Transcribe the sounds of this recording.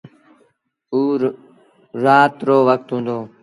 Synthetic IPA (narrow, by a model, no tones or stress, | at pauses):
uː | ɾaːt̪ɾoːʋək̚t̪ɦũːnd̪oː